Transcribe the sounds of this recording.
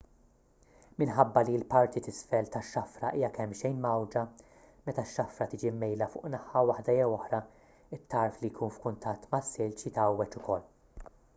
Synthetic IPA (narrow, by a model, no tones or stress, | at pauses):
mɪnħɐbːɐliɪlpɐɾt̪it̪ɪsfɛlt̪ɐʃːɐfɾɐʔiːjɐkɛmːʃɛjnmɐwd͡ʒɐ | mɛt̪ɐʃːɐfɾɐt̪ɪːd͡ʒimːɛjlɐfʊ̰ːʔnɐħɐwɐħd̪ɐjɛwɔħɾɐ | ɪt̪ːɐɾflijkʰuːnfkʊnt̪ɐt̪ːmɐsːɪlt͡ʃit̪ɐwːɛt͡ʃʊkʰɔlː